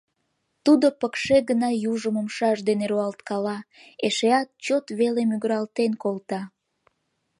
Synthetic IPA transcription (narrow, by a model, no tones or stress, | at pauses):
t̪ud̪opəkʃeɣənɑjuʒəməmʃɑʒd̪eneɾoɑlt̪kɑlɑeʃeɑt̪̚t͡ɕot̪βelemyɡəɾɑlt̪enkolt̪ɑ